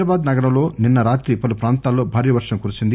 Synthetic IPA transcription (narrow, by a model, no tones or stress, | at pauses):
ɾabaːd̪nɐɡɐɽɐmlo̞ːninːɐɾaːt̪ɾipɐlupɾaːnt̪aːlːo̞ːbʱaːɾijɐʋɐɾʂɐmkuɾut͡ʃind̪i